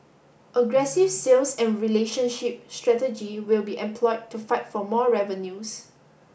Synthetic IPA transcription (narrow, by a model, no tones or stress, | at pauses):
pəɡɹɛsifsilsɛ̃nɹileʃə̃nʃip̚stɹɛtəd͡ʒiwilbiʔɛ̃mpʰlɔɪd̚tːufaɪtfɔmɔɹɛvə̃njus